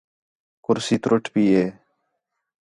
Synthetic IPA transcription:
kʊɾsiːt̪ɾʊʈʰpiːeː

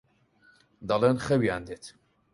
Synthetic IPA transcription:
d̪ɑlˠenχɛwijand̪et̪

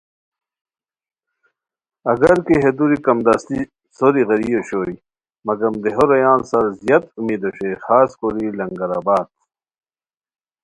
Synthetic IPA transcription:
ɐɡɐɾkeɦed̪uɾikɐmd̪ɐst̪i | soɾiɣɐɾijoɕoi | mɐɡɐmd̪eɦoɾɐjaːnsɐɾzijɐt̪umiːd̪oɕejxaːskoɾilɐŋɡɐɾaːbaːt̪̚

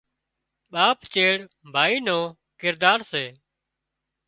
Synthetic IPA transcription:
ɓaːpt͡ʃeːɽ | bʱaːiːnoː | kɪɾd̪aːɾseː

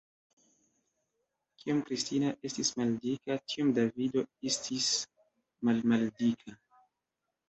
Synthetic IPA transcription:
kʰiomkɾistinaʔe̞stismaldikatʰiomdavido̞estʰis | malmaldikʰa

